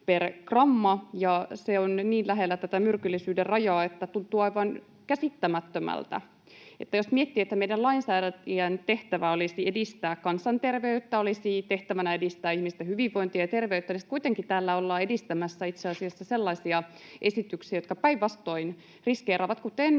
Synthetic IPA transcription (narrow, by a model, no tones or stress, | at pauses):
perkrɑmːɑjɑseonniːnlæɦelːæt̪æt̪æmyrkylːisyːderrɑjɑːet̪ːæt̪unt̪uːɑiʋɑn | kæsit̪ːæmæt̪ːømæ̰lt̪æ̰ | ḛt̪ːæjo̞smiet̪ːiːet̪ːæmeidælɑinsæːdæiænt̪e̞ht̪æʋæolisie̞dist̪æːkkɑnsɑnt̪erʋeyt̪ːæolisit̪e̞ht̪æʋænæedist̪æːihmist̪æhyʋiʋʋo̞int̪ijɑjɑt̪e̞rʋe̞yt̪ːænisit̪kuit̪eŋkit̪æːlːæolːɑːedist̪æmæsːæit̪seɑsiɑsːɑselːɑisiɑʔe̞sit̪yksiæjot̪kɑpæiʋʋɑst̪o̞in | riskeːrʔɑːʋɑt̪kut̪en